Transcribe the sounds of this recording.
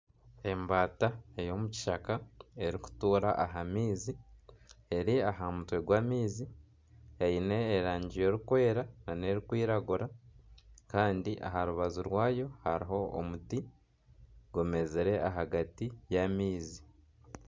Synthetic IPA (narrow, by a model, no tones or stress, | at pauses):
e̞mbaːtae̞jo̞muci̥ʃakae̞ɾiku̥tuːɾaʔaɦamiːzi | e̞ɾiaɦamutwe̞ɡwaːmiːzi | eine̞ːɾaːɲɟijo̞ːɾukwe̞ːɾanane̞ɾikwiːɾaɡuɾa | kaːndiʔa̰ɦaɾuβazuɾwaːjo̞ha̰ɾiɦo̞o̰muti | ɡome̞zeɾe̞ʔaɦaɡatijamiːzi